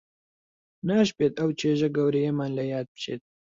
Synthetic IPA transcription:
naːʃpeːt̪ɐwt͡ʃeːʒɐɡɐwɾejemaːnlɐjaːd̪̚pt͡ʃḛːt̪̚

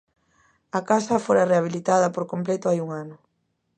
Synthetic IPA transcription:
ɐkasɐfoɾareaβ̞ilit̪aðɐpoɾkomplɛt̪ʊajuŋanʊ

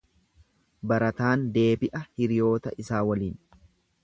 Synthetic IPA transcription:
bɐɾɐt̪aːnd̪e̞ːbɪʔɐhɪɾɪjo̞ːt̪ɐʔɪsaːwɐliːn

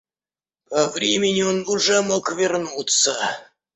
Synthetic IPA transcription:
pɐvɾʲemʲɪnʲɪonʊʐɛmokvʲɪrnut̪sə

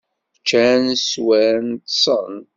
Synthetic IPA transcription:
t͡ʃːænswænt̪sˤə̰n

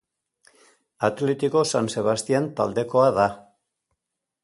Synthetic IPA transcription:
at̪let̪iko̞sanse̞β̞ast̪iant̪ald̪e̞ko̞aða

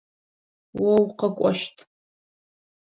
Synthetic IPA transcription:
wɐwqɐkʷʼɔ̰ʃtʰʼ

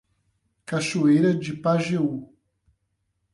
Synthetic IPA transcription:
kaʃoejɾɐd͡ʒɪpaʒeu

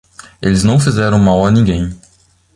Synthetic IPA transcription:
elɪznɐ̃w̃fizɛɾɐ̃w̃mawanĩɡẽj̃

